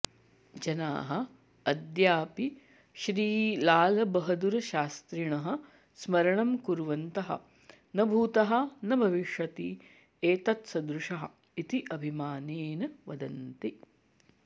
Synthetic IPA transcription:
d͡ʒɐna̰ːɦɐ̆ | ɐd̪jaːpi | ʃɾiːlaːlɐbɐɦɐd̪uɾɐʃaːst̪ɾiɳɐɦɐ̆ | smɐɾɐɳɐmkuɾʋɐnt̪ɐɦɐ̰ | nɐbʱuːt̪ɐɦɐ̆nɐbʱɐʋiʂʋɐt̪i | eːt̪ɐt̪sɐd̪ɾuʃɐɦɐ̰̆ | it̪iʔɐbʱimaːneːnɐʋɐd̪ɐnt̪i

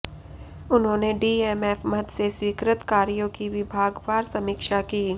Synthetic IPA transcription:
ʊnɦõːneɖiːeːmeːfmət̪seswiːkɾɪt̪kaːɾijõkiʋɪbʱaːɡʋaːɾsɐmiːkʃakiː

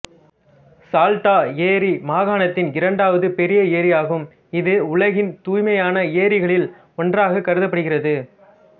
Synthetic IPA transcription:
saːlʈ̪aːeːɾimaːɣaːɳɐt̪ːɪnɪɾɐɳɖaːʋɐðɯpɛɾɪjɐeːɾɪjaːɣɯm | ɪðɯʊɭɐɣɪnt̪uːjmɐjaːnɐeːɾɪɣɐɭɪl | ɔndraːɣɐkːɐɾɯðɐp̬ːɐɽɯɣɪrɐðɯ

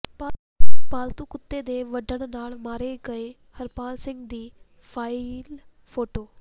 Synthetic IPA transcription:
pa | paːlt̪ũːkʊt̪ːeːd̪eːʋəɖəɳnaːlmaːɾeːɡəeː | həɾpaːlsɪ̃ŋɡd̪iː | pʰaːɪl | pʰoːʈoː

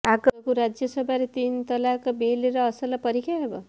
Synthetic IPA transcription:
akkuɾad͡zjʌsʌbʱaɾet̪int̪ʌlakʌbeleɾʌːsʌlapʌɾikʰaɦebʌ̰

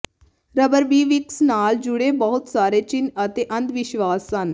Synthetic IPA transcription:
ɾəbəɾʋiːʋiksnaːld͡ʒuɽebəɦut̪saːɾet͡ɕinɐt̪eʔɐnd̪ʋiɕʋaːsːan

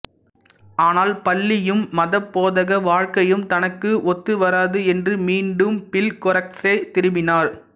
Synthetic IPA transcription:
ʔaːnaːlpɐɭːɪjɯmːɐðɐpːoːðɐɣɐʋaːɻkɐjɯmt̪ɐnɐkːɯʔɔt̪ːɯʋɐɾaːðɯɛndrɯmiːɳɖɯmpɪlkɔrɐkseːt̪ɪɾɯmɪnaːɾ

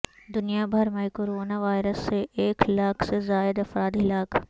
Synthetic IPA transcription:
d̪ʊnijabʱɐɾmẽkoːɾoːnaʋaːɪɾəsːeʔeːklaːkʰsezaːɪd̪ɐfɾaːd̪ɦɪlaːk

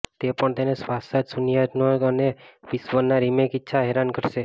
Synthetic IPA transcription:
t̪epəɳt̪enesʋasat̪sunjad̪noɡəneʋisʋənaɾimekitːʃʰaɦeɾankəɾʃe

